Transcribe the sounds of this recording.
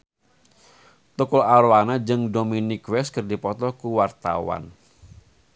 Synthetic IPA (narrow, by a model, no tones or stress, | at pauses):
t̪ukʊlaɾwanad͡ʒɨŋdominɪkwɛskərdipɔt̪ɔkuwart̪a̰wa̰n